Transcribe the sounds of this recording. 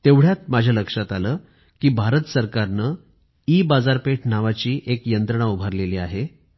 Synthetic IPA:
t̪eʋɽ̤jat̪̚mad͡ʑʱjaləkʂat̪aləː | kiːbʱaɾət̪səɾkaɾnə | iːbad͡zaɾpeʈʰnaʋat͡ɕiːʔekjənt̪ɾəɳ̃aubʱəɾleliːaɦe

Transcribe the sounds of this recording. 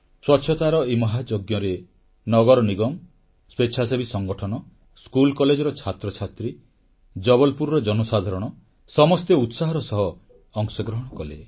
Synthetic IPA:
swɔt͡ʃʰɔt̪aɾɔemɔɦad͡ʒoɡjɔɾe | nɔɡɔɾɔniɡɔm | spet͡ʃʰasebʱisɔŋɡɔʈʰɔnɔ | skulkɔled͡ʒɔɾɔt͡ʃʰat̪ɾɔt͡ʃʰat̪ɾi | d͡ʒɔbɔlpuɾɾɔd͡ʒɔnɔsad̪ʱaɾɔɽ̃ɔ | sɔmɔst̪eut̪saɦɔɾɔsɔɦɔː | ŋsɔɡɾɔɦɔɽ̃ɔkɔle

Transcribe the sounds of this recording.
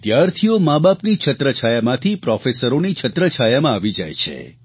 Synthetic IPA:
d̪jaɾt̪ʰijomabapnit͡ʃʰət̪ɾət͡ʃʰajamãt̪ʰipɾɔfesəɾonit͡ʃʰət̪ɾət͡ʃʰajamãaʋid͡ʒa̰jt͡ʃʰḛ

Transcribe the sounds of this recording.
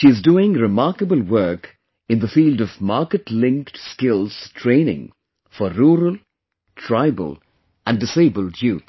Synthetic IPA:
ʃiɨzduːɪ̃ŋɾɪmaɹkəbəlˠwɜ˞k | ɨ̃nðəfiːldʌvmaɹkətlɪ̃ŋktskɪlˠz̥tʰɹ̥ẽɪ̃nɪ̰̃ŋ | fəɾuːɾəlˠ | tʰɹ̥aɪbə̰lˠ | ʔɨ̃ndɨseɪbəlˠjuːt̪

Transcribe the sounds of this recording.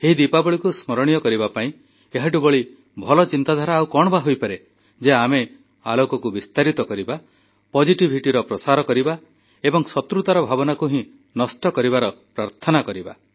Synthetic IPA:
eɦid̪ipabɔɭikusmɔɾɔɽ̃ijɔkɔɾibapaĩ | eɦaʈ̬ubɔɭi | bʱɔlɔt͡ʃint̪ad̪ʱaɾaːwkɔɽ̃ɔbaɦojpaɾe | d͡ʒeame | alokɔkubist̪aɾit̪ɔkɔɾiba | pɔd͡ʒiʈibʱiʈiɾɔpɾɔsaɾɔkɔɾiba | ebɔŋsɔt̪ɾut̪aɾɔbʱabɔnakuɦĩ | nɔsʈɔkɔɾiβaɾɔpɾaɾt̪ʰɔnakɔɾiba

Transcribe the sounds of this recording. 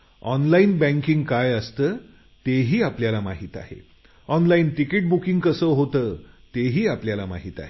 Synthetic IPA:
ɔnlainbæ̃ŋkiŋɡkajəst̪əː | t̪eɦiːapljalamaɦiːt̪a̰ɦḛ | ɔnlainʈikeʈ̚bukĩŋɡkəsəɦot̪əːt̪eɦiːapljalama̰ɦiːt̪a̰ɦe

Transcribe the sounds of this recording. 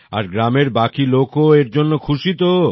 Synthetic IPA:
a̰ɾɡɾameɾbakilokoeɾd͡ʑonːokʰuʃit̪o

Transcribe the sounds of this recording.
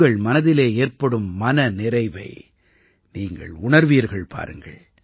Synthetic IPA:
ɡɐɭmɐnɐðɪleːeːrpɐɽɯmːɐnɐnɪɾɐɪʋɐ̰ɪ | niːŋɡɐ̰ɭʊɳɐɾʋiːɐɾɣɐɭpʰa̰ːɾɯŋɡɐ̰ɭ

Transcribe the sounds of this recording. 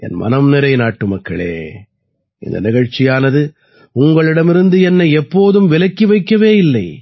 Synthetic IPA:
ɛ̰nmɐ̰nɐmnɪɾɐɪnaːʈːɯmɐkːɐɭḛː | ʔɪ̰nd̪ɐ̰nɪɣɐɻt͡ʃɪjaːnɐðɯ | ʊŋɡɐɭɪɽɐmɪɾɯnd̪ɯɛnːɐɪɛpːoːðɯmʋɪlɐkːiʋɐɪkːɐʋeːjɪlːɐɪ

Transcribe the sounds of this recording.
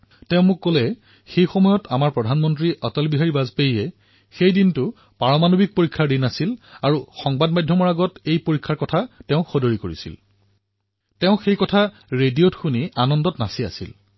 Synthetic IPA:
tɛʊ̃mʊkːolɛ | xejxɔmɔjɔtamaɹpɹɔdʱanmɔntɹiʔɔtɔlbiɦaɹibazpejɛ | xejdintʊ | paɹɔmanobik̚poɹikʰːaɹdinasilaɹuxɔŋbadmajdʱjɔmɔɹaɡɔtejpoɹikʰːaɹkɔtʰatɛʊ̃xodoɹikoɹḭsḭl | tɛʊ̃xejkɔtʰa | ɹediotxunianɔndɔtnasia̰sḭl

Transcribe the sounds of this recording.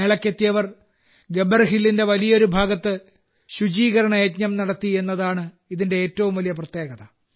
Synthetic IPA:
eːɭɐkːet̪ːijɐʋɐr | ɡe̞bɐrɦilːinde̞ʋɐlijɐo̞ɾubʱaːɡɐt̪ːɨ | ɕud͡ʑiːɣɐɾɐɳɐjɐt̪ɲɐmnɐɽɐt̪ːie̞nːɐðaːɳɨ | iðinde̞eːtːɐʋumʋɐlijɐp̬rɐt̪je̞ːɡɐðɐ

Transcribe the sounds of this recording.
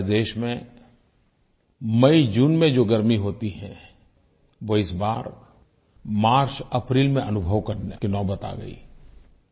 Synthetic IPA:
d̪eːʃmẽ | mɐid͡ʒuːnmẽd͡ʒoːɡɐɾmiɦoːt̪iɦɛ̰̃ | ʋoɪsba̰ːɾ | maːɾt͡ʃɐpɾiːlmẽʔɐnʊbʱəʋkɐɾnekinɔːbət̪a̰ːɡɐ̰ḭː

